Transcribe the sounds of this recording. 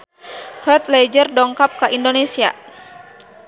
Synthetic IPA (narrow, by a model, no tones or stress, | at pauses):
hɔt̪̚lɛd͡ʒərdɔŋkap̚kaʔindonesia̰